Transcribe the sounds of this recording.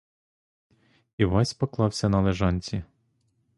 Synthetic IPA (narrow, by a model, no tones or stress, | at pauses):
iʋɑsʲpɔklˠɑwsʲɐnɐlˠeʒɑnʲt͡sʲi